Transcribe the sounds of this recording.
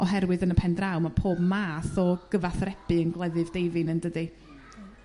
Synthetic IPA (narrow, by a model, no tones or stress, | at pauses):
ʔɔɦɛrwɨðənəpʰɛndrawmapʰoːbmaːθɔɡ̥əvaθrɛbɨənɡlˠɛðɨvdejvɨnəndədɨ